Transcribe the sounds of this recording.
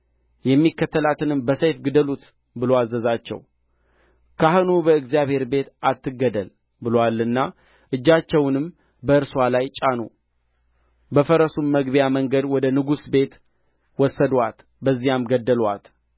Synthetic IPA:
jɛmːikːət̪ʰːəlat̪ʰɨnɨmbəsəjfɡɨd̪əlut̪ | bɨloazːəzat͡ʃːɛ̰w | kʰahɨnubəɨɡzijaβhe̞ɾbe̞t̪at̪ːɨɡːəd̪əl | bɨlowalːɨnːa | ʔɨd͡ʒːat͡ʃːɛwnɨm | bəɨɾswalajt͡ʃʼanṵ | bəfəɾəsumːəɡbjaməŋɡəd̪wɔd̪ənɨɡusbe̞t̪ | wɔsːəd̪wat̪ | bəzːijamɡəd̪ːəlwa̰t̪

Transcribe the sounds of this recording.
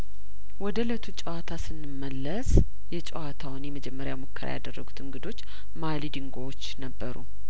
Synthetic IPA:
wɔd̪ələt̪ʰut͡ʃʼəwat̪ʰasɨnːɨmːəlːəs | jɛt͡ʃʼɛwat̪ʰawʊnjɛməd͡ʒɛmːəɾja̰mokʰːəɾa̰ja̰d̪ərːəɡut̪ʰɨŋɡɨd̪o̞t͡ʃː | malid̪ɨŋɡowot͡ʃːnəbːəɾṵ

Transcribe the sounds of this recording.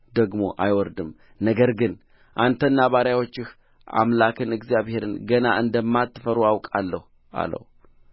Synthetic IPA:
d̪əɡmo̞̰ʔajwɔɾd̪ɨm | nəɡəɾɡɨn | ʔant̪ʰənːaβaɾjawo̞t͡ʃːɪh | ʔa̰mlakʰɨnɨɡzjaβhe̞ɾɨnɡənaʔɨnd̪əmːat̪ːɨfəɾuawkʼalːəh | ʔa̰lə̰h

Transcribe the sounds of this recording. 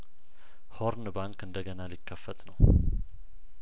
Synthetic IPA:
hoɾnbaŋkɨnd̪əɡənalikʰːəfːət̪nəw

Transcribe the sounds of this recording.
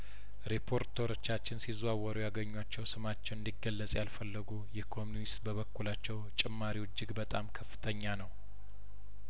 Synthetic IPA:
ɾepʰo̞ɾt̪ʰeɾo̞t͡ʃːat͡ʃːɪnsizuawəɾujaɡəɲːuat͡ʃːɛwsɨmat͡ʃːɛwɨnd̪iɡːəlːəsʼjalfəlːɨɡujɛhkʰo̞muist̪bəβəkːulat͡ʃːɛwt͡ʃʼɪmːaɾiwɨd͡ʒːɪɡbət̪ʼamkʰəfɨ̥t̪ʰəɲːanəw

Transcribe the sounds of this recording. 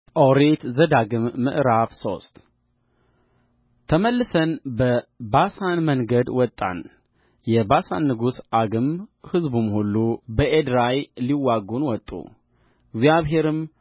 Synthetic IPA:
ʔoɾet̪zəd̪aɡɨmːɨ̰ʔɾafso̞̰st̪ | t̪ʰəməlːɨsənbəbasanməŋɡəd̪wɔt̪ʼːa̰n | jɛbasa̰nːɨɡusʔaɡɨmhɨzbumhulːubəʔed̪ɾajliwːaɡunwɔt̪ʼːṵ | ɪɡzjaβɦe̞ɾɨm

